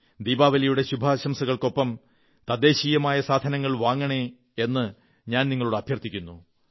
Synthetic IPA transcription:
d̪iːbaːʋɐlɐjuɽe̞ɕubʱaɕɐmsɐɣɐɭko̞pːɐm | t̪ɐd̪e̞ːɕiːjɐmaːjɐsaːd̪ʱɐnɐŋːɐɭʋaːŋːɐɳe | enːɨ | ɲaːnniŋːɐɭuɽɨɐbʱjɐrt̪ːikʲːunːu

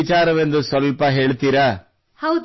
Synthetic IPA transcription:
it͡ʃaːɾɐʋe̞nd̪usʋɐlpɐɦe̞ːɭt̪iːɾɐ | hɐ

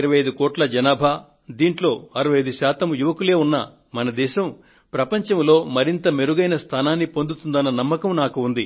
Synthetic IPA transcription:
ɾɐʋɐjɐjd̪ukɔːʈlɐd͡ʒɐnaːbʱaː | d̪iːɳʈlo̞ːɐɾɐʋɐjɐjd̪uʃaːt̪ɐmjuʋɐkule̞ːunːɐ̰ | mɐnɐd̪ɛːʃɐm | pɾɐpɐɲt͡ʃɐmlo̞ːmɐɾint̪ɐme̞ɾuɡɐjnɐst̪ʰaːnaːnːipond̪ut̪und̪ɐnːɐnɐmːɐkɐmnaːkuːnd̪i

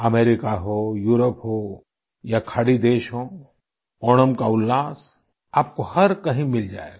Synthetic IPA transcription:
ɐmɛːɾɪkaɦojuːɾəpɦoː | jakʰɐɽid̪eːʃɦoː | ɔːɽəmkaʊlːaːs | aːp̚kohɐɾkɐɦĩmɪld͡ʒa̰ːḛɡa

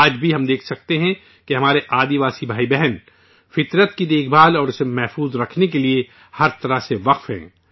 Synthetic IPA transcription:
aːd͡ʒbʱiɦɐmd̪eːkʰsɐk̚t̪eɦɛ̃ | keɦɐmaːɾeʔaːd̪iʋaːsibʱaːibɛɦɛn | fɪt̪ɾət̪kid̪eːkʰbaːlɔːɾʊsemɛɦfuːzɾɐkʰnekelie | hɐɾt̪ɐɾəɦseʋɐqfɦɛ̰̃ː

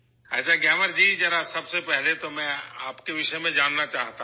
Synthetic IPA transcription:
at͡ʃaɡjɛːʋəɾd͡ʒiːd͡ʒɐɾasɐbsepɛɦlet̪omɛ̃a̰ːpkeʋɪʃəmẽd͡ʒaːnːat͡ʃaːɦt̪a

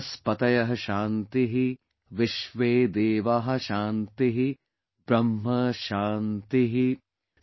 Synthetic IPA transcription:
spɐt̪ɐjɐɦɐʃaːnt̪iɦi | ʋɪʃʋeːd̪eːʋaɦɐ̆ʃaːnt̪iɦi | bɾɐmɦɐʃaːnt̪iɦi

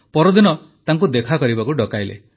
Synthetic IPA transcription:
pɔɾɔd̪inɔ | t̪aŋk̬ud̪ekʰakɔɾibakuɖɔkajlḛ

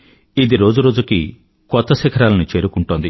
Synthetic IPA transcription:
id̪iɾo̞ːd͡ʒuɾo̞ːd͡ʒuki | kɔt̪ːɐsikʰɐɾaːlɐnit͡ʃe̞ːɾukuɳʈond̪i

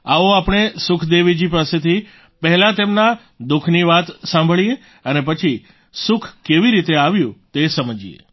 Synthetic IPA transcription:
aʋoapɽ̃esʊkʰd̪eʋid͡ʒipaset̪ʰi | pəɦɛlat̪emna | d̪ʊkʰniʋat̪sãmbʱəɭije | ənep̬ət͡ʃʰi | sʊkʰkeʋiɾit̪eaʋjũt̪esəməd͡ʒiḛ

